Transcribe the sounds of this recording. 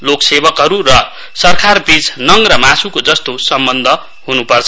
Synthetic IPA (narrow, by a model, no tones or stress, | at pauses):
loksebʌkɦʌɾurʌ | sʌrkʰarbit͡snʌŋrʌmasukod͡zʌst̪osʌmbʌnd̪ʱʌ | ɦunupʌrt͡sʰʌ